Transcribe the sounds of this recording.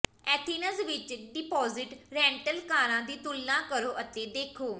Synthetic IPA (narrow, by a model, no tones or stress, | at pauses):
ɛːt̪ʰiːnəsʋɪt͡ʃɖɪpɔːzɪʈɾɛ̃ːɳʈəlkaːɾãːd̪iːt̪ʊlːãːkəɾoːʔət̪eːd̪eːkʰoː